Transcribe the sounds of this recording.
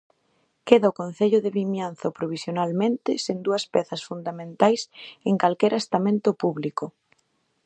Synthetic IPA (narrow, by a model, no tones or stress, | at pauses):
keðaʊkõn̟θeʎʊðɪβimjan̟θapɾoβ̞isjonalmẽnt̪ɪsend̪uɐspɛθɐsfund̪amẽnt̪ajseŋkalkɛɾʔest̪amẽnt̪ʊpuβlikʊ